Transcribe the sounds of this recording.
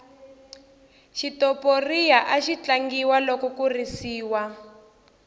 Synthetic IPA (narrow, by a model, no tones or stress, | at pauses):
ʃitɔporijaʔaʃit͡ɬaŋɡiwalɔkɔkurisiːwa